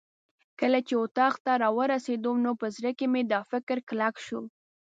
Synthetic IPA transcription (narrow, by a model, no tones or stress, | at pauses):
kəlat͡ʃeʊt̪ɑqt̪aɾɑwəɾased̪onopəzɾəkemed̪əfɪkɾklakʃu